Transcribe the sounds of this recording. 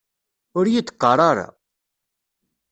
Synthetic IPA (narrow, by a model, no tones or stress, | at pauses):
ʊɾjit͡s̪ːqːɑɾˤɑɾa̰